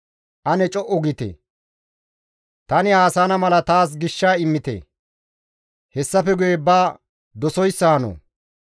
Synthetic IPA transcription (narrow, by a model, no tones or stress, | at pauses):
ʔɐnɛt͡ʃʼɔʔɔɡɪt̪ḛ | t̪ɐnɪaːsaːnɐmɐlɐt̪aːs̬ɡɪʃːaːɪmːɪt̪ḛ | hɛsːɐfɛɡʊjebaː | d̪ɔsɔjsːanɔ̰